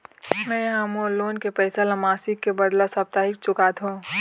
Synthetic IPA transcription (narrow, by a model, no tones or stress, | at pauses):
mɛ̃ɦɐmoloːnkepɛːsalamaːsikːebɐd̪lasɐp̚t̪aːɦɪk̚t͡ʃʊkat̪ɦũː